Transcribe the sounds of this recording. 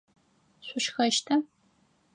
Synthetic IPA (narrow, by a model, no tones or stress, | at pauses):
ɕʷʊʃxɐʃtʰɐ